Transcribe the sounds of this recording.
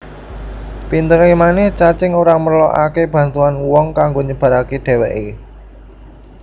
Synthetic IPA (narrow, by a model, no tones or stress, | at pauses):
pint̪əɾemanɛht͡ʃat͡ʃɪŋoɾamərlɔʔa̰keb̥ä̤nt̪uanwɔŋkaŋɡoɲəb̥a̤ɾakeɖ̥e̤wɛʔe